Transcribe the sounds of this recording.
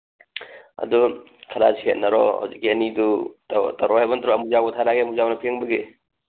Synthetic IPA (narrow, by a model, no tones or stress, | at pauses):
ɐ̰du | kʰɐɾa̰sihet̚nɐɾɔha̰wzik̚ːiɐniduttɐɾɔhajbɐntʰɾɔɐmuzawɡɐtʰaɾaɡiɐmuzawnɐpʰeŋbɐɡe